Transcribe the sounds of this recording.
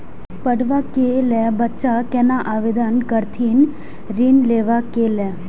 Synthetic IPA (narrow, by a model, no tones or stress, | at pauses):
pəɽʋakelɛbətːʃakɛ̃naʔaʋed̪ənkəɾt̪ʰiːn | ɾinleːʋakelɛ